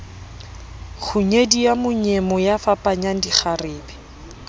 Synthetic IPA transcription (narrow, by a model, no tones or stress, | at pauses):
χʰʊɲediamʊɲemɔjafapʼaɲaŋ̩diχʰarɪːbɛ